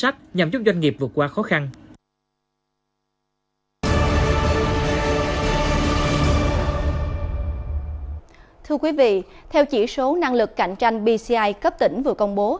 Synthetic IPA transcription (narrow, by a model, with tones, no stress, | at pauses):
a˦˥k̚ɲa˨˩mt͡ɕʊ˦˥k͡p̚zwa˧ŋŋi˨˩p̚vɨ˨˩ət̚kwaː˧xɔ˨˦xa˧n | t̪ʰɨ˧əkwi˨˦vḭ˧˨ | t̪ʰɛ˧wt͡ɕḭ˧˩so˨˦na˧ŋlɨ˨˩kːa˧˩jŋ̟t͡ɕa˧jŋ̟ɓi˧si˧ʔa˧jkə˦˥p̚t̪ï˧˩ŋ̟vɨ̰˨˩kə˧wŋ͡mɓo˨˦